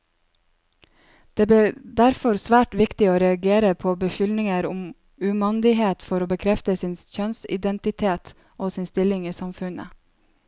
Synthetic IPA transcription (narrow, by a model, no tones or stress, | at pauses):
d̪̥eːbed̪æɾfɔɾsʋæːʈʋɪkt̪ɪoːɾɛɑɡeːɾəpʰoːbəʃʏlnɪŋəɾʊm | ʉmɑnd̪ɪɦeːt̪fɔɾoːbəkʰɾɛft̪əsɪnçœnsɪ̰d̪ɛnt̪ɪt̪ʰeːt̪ | oːsɪnst̪ɪlɪŋiːsɑmfʉnə̰